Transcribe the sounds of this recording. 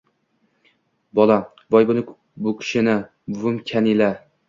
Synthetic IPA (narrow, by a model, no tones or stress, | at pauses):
bɒlˠa | bɒjbʊnɪkʰ | bʊkʲʰɪ̥ʃɪnɪ | bʊmkʲʰanila